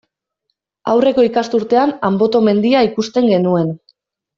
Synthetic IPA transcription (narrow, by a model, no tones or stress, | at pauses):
a̰wre̞ko̞ikast̪uɾt̪e̞anambo̞t̪o̞me̞nd̪iaikust̪e̞ŋɡe̞nue̞n